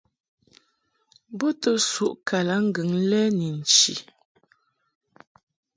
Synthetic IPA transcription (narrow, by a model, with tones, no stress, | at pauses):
bɔ˦tə˦su˦ʔkʰa˨la˨˦ŋ̩˦ɡə˨ŋ˦lɛ˦ni˨n̩˨t͡ʃḭ˨